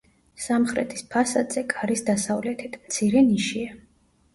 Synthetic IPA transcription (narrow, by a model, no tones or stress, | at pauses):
samχɾɛ̰t̪ʰi̥spʰasad̪z̥ɛkʼaɾisd̪asavlɛt̪ʰit̪ʰmt̪sʰiɾɛniʃia